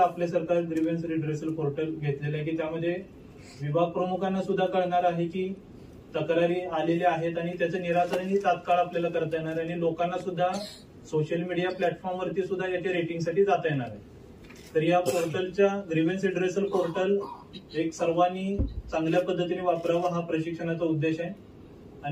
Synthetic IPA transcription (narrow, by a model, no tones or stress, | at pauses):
apljasəɾkaɾɡɾiʋensɾiɖɾesəlpoɾʈəlɡʱet̪lelak̬iːt̪jaməd̪ʱːje | ʋibʱaɡ̚pɾəmukʰanːasud̪ʱːakəɽɳaɾaɦekiː | t̪əkɾaɾiːaleleaɦet̪aɽ̃it̪jat͡ɕaniɾasəɾənːiːt̪at̪kaɭapljalakəɾt̪əjeɽ̃aɾaɽ̃ilokanːasud̪ʱːa | soɕəlmiɽijaplæʈfɔɾmʋəɾt̪iːsud̪ʱːajat͡ɕeɾeʈiŋɡsaʈiːd͡zat̪əjeɽ̃aɾa̰j | t̪əɾijapoɾʈəlt͡ɕjaɡɾiʋənsiɖɾesəlpoɾʈəl | eksəɾʋanːiːt͡sãŋɡljapəd̪ʱːət̪ineʋapɾaʋaɦapɾəɕikʂəɽ̃at͡saud̪ːeɕaj | a